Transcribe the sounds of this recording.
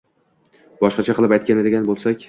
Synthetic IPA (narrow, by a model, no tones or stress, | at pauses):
bɒʃqɑt͡ʃʰaqʰɨlˠɪpajt̪̚kʲanɪd̪e̞ɡʲanbolˠsakʲ